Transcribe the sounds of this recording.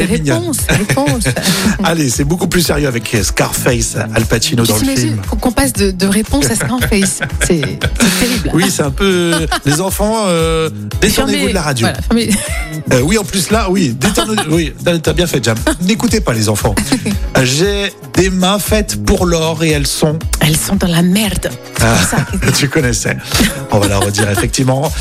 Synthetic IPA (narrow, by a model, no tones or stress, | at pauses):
sɛʁiɲɔ̃sepɔ̃salesɛbokuplyseʁjøavɛkʰskaʁfɛjsalpat̪inoɑ̃lffimkkɔ̃pasd̪əd̪əʁepɔ̃sasaʁfɛjssɛsɛt̪eʁilwisɛt̪ɛ̃pølezɑ̃fɑ̃ø | d̪et̪unevod̪laʁad̪jolafme | øwiɑ̃plyslawid̪et̪ɔnwit̪aet̪abjɛ̃fɛʒamnekut̪̬epalezɑ̃fɑ̃ | ʒe | d̪emɛ̃fɛt̪puʁlɔʁeɛlsɔ̃ɛlsɔ̃d̪ɑ̃lamɛʁd̪ | asat̪ykɔnɛsɛ̰ | ɔ̰̃valaʁəd̪iʁefɛk̚t̪ivmɑ̃